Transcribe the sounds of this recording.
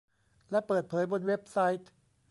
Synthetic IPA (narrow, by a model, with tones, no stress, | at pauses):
lɛ˦˥pɤː˨˩t̪̚pʰɤː˩˦jbo˧nwe˦˥p̚sa˦˥jt̪̚